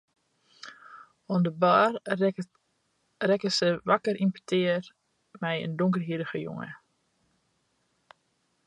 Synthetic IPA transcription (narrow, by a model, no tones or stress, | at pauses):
ɔndəbaːr | rɛkəsəʋakərimpytʰɪər | mɛjə̰ndoŋkərɦiɾəɣəjʊ̰ŋə̰